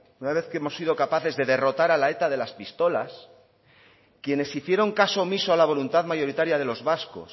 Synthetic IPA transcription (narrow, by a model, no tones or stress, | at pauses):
unaβ̞e̞θkeemo̞sːið̞o̞kapaθe̞zðe̞ðe̞ro̞t̪aɾalae̞t̪aðe̞laspist̪o̞la̰s | kje̞ne̞siθje̞ɾo̞ŋkaso̞misoalaβ̞o̞lunt̪aðmaʝo̞ɾit̪aɾjaðe̞lo̞zβasko̞̰s